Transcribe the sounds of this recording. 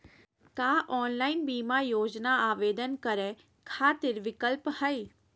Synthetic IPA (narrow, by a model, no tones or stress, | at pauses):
kaːʔɔːnlaːɪnbiːmaːjoːd͡ʒnaaːʋeːd̪ənkəɾẽː | kʰaːt̪ɪɾʋɪkəlphəiː